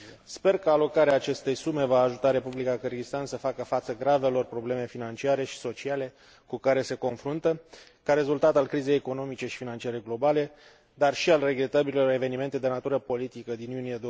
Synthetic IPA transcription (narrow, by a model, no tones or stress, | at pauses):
spe̞rkəalo̞kaɾeaːt͡ʃe̞st̪e̞jsume̞vaːʒut̪aɾe̞publikakɨrɡist̪ansəfakəfat̪səɡɾave̞lo̞rpɾo̞ble̞me̞finant͡ʃiaɾe̞ʃi̥so̞t͡ʃiale̞ | kukaɾe̞se̞ko̞nfɾunt̪ə | kaɾe̞zult̪at̪alkɾize̞jeko̞no̞mit͡ʃe̞ʃi̥finant͡ʃiaɾe̞ɡlo̞bale̞ | d̪arʃialre̞ɡɾe̞t̪abilelo̞ɾe̞ve̞nime̞nt̪e̞d̪e̞nat̪uɾəpo̞lit̪ikəd̪injunijed̪o